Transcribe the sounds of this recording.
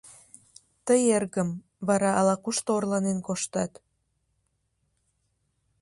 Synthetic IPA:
t̪əjerɣəm | βɑɾɑːlɑkuʃt̪oorlɑnenkoʃt̪ɑt̪

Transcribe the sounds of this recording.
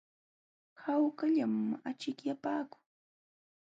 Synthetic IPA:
hawkaʎamat͡ʃɪkjapaːkʊ̥

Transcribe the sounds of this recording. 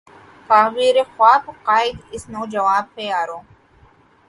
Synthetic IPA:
t̪aːwiːɾexwaːbqaːɪd̪ɪsnõːd͡ʒɐʋaːb̚peaːɾõː

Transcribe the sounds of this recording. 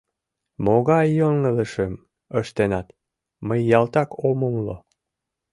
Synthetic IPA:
moɣɑjːoŋŋələʃəm | əʃt̪enɑt̪ | məjːɑlt̪ɑkoməmlo

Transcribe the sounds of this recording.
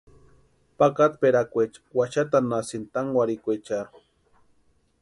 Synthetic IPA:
pakat̪peɾakʷet͡ʃwaʃat̪anasint̪aŋwaɾikʷet͡ʃaɾu

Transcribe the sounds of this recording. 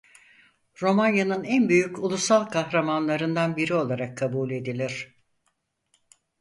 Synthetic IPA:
ɾo̞manjanɯnænbyjyculˠusalˠkʰaxɾamanlˠaɾɯnd̪anbiɾio̞lˠaɾakʰːabuːlʲe̞d̪ilʲiɾ̝̥

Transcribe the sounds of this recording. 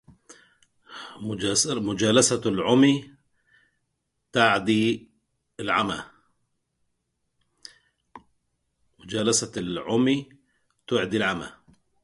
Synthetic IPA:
mʊd͡ʒaːlasalʕʊmi | t̪aʕd̪i | ɪlʕama̰ | mʊd͡ʒaːlasalʕʊmi | t̪ʊʕd̪ilʕama̰

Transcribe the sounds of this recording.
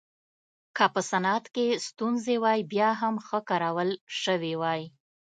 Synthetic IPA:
kəpəsanat̪kest̪unzewɑjbjɑɦamxəkɑɾawəlʃəwewɑj

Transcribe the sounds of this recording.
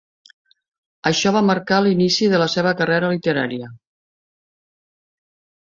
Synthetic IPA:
əʃɔβ̞aməɾkalinisiðələseβ̞əkəreɾəlit̪əɾaɾiə

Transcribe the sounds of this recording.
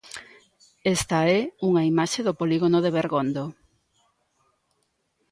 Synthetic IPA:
est̪ɐɛuŋɐimaʃeðopoliɣonoðeβeɾɣond̪o

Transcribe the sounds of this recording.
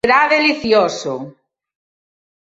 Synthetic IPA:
ɾaðeliθjoso

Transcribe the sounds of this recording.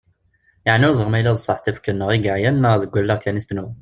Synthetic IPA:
jəʕnʊɾzˤəʁmæjlæðsˤːɑħt̪æfkənːəʁiɡəʕjænːəðəɡʷːælːəʁkænist̪nu

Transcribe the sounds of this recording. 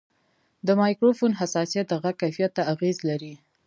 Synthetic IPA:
d̪əmɑjkɾofonɦasɑsijat̪̚d̪əɣakajfijat̪ːaaɣezlaɾi

